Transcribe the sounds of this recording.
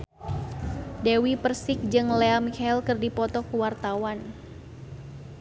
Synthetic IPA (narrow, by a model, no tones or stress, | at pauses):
dewipərsɪk̚d͡ʒɨŋlɛamikailkɨrdipɔt̪ɔkuwart̪awan